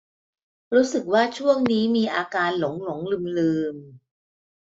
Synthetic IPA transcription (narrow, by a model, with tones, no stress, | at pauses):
ɾuː˦˥sɯ˨˩k̚waː˥˩t͡ɕʰu˥˩əŋniː˦˥miː˧ʔaː˧kaː˧nlo˩˦ŋlo˩˦ŋlɯ˧mlɯː˧m